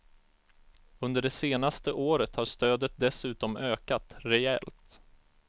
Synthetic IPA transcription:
ɵnd̪əɖɛseːnast̪əʔoːɾət̪haʂt̪øːd̪ət̪̚d̪ɛsʉ̟ːt̪ɔmøːkat̪ɾɛɛ̰lt̪

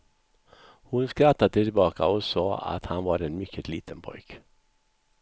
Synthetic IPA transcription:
hʊnskɾat̪ːad̪ət̪ʰɪlbɑːka̰ɔsɑːa̰t̪hanvaɾɛnmʏkʰːət̪ʰliːt̪ʰənpʰɔ̰jk

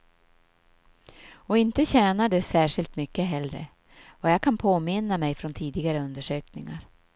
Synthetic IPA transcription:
ɔɪnt̪əɕɛːnaɖɛsæːʂɪlt̪mʏkːəɦɛlːɾə̰ | ɔjaːɡkʰanpʰoːmɪnamɛjfɾɔnt̪ʰiːd̪ɪɡaɾəɵnd̪əʂøːknɪŋa̰ɾ

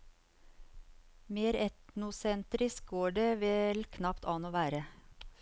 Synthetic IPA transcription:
meːɾɛt̪nʊsɛnt̪ɾɪsk̚ɡoːɖeːʋɛlkʰnɑpt̪ʰɑːnoːʋæːɾə

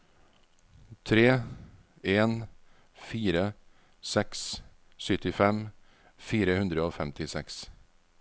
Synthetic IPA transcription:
t̪ʰɾeː | eːn | fiːɾə | sɛks | sʏt̪ɪfɛm | fiːɾəhʉnd̪ɾəoːfɛmt̪ɪsɛks

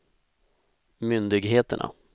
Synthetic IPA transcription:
mʏnd̪ɪɡɦeːt̪ə̰ɳʔa̰

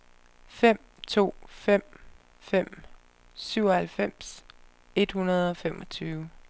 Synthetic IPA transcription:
fem̰ | t͡sʰo̝̰ːfem̰ | fem̰ | syʊ̰ɒhælfem̰s | e̝d̥hunɐð̞ˠɒ̽femʔɒ̽t͡sʰyːʊ

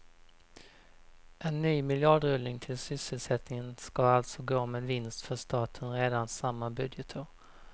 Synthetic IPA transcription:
ʔɛnːyːmɪljɑɖɾɵlnɪŋt̪ʰɪlsʏsːəlsɛt̪nɪŋənskaalt̪sɔɡoːmeːd̪vɪnst̪fœʂt̪ɑːt̪ʰənɾeːd̪ansamːabɵd̪jət̪ʰəɾ

